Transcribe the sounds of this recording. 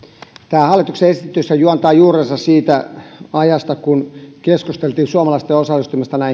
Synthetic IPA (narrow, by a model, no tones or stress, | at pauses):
t̪æːhɑlːˑit̪ukseest̪t̪ːysːæjuɑnt̪ɑːjuːrensɑssiːt̪æɑjɑst̪ɑkunkeskust̪elt̪iːnsuɑmɑlɑst̪eosɑlːˑist̪uimest̪ɑnæi